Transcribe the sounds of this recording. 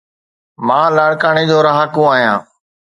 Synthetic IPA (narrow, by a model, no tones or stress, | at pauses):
mãːlaːɽkaːɳ̃eːd͡ʒoːɾaɦaːkũːaːɦijã̰ː